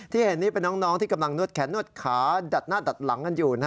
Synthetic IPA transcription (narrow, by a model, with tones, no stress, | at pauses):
t̪ʰiː˥˩he˨˩˦nːiː˥˩pe˧nːɔː˦˥ŋnɔː˦˥ŋt̪ʰiː˥˩ka˧mla˧ŋnu˥˩ət̪̚kʰɛː˩˦˥nːu˥˩ət̪̚kʰaː˩˦da˨˩t̪̚naː˥˩da˨˩t̪̚la˩˦ŋka˧njuː˨˩na˦˥